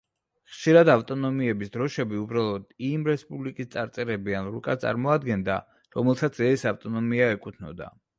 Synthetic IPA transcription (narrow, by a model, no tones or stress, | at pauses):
χʃiɾad̪aft̪ʼɔnɔmiɛbisd̪ɾɔʃɛbiubɾalˠɔd̪imɾɛspʼublikʼist̪sʼaɾt̪sʼɛɾɛbianɾukʼat̪sʼa̰ɾmɔad̪ɡɛnd̪a | ɾɔmɛlˠsat̪sʰɛsaft̪ʼɔnɔmiaɛkʼut̪ʰnɔ̰d̪a̰